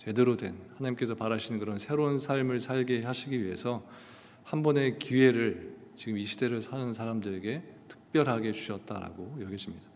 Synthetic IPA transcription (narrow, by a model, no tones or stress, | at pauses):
t͡ɕe̞deɾodwe̞̰nhanaɲimk͈e̞sʰʌpaɾaɕʰinɯnkɯɾʌnsʰe̞ɾounsʰaɭmɯɭsʰaɭɡeɦaɕʰiɡiɥiɦe̞sʰʌ | hanbʌne̞kie̞ɾɯɭ | t͡ɕiɡɯmiɕʰide̞ɾɯɭsʰanɯnsʰaɾamdɯɾe̞ɡe̞tʰɯ̥k̚p͈jʌɾɦaɡe̞t͡ɕu̥ɕʰʌt̚t͈a̰ɾa̰ɡojʌɡʌɕʰimɲid̥a